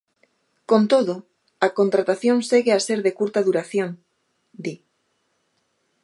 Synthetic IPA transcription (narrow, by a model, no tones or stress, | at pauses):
kont̪oðo | akont̪ɾat̪aθjoŋseɣeaseɾðekuɾt̪ɐðuɾaθjoŋ | d̪i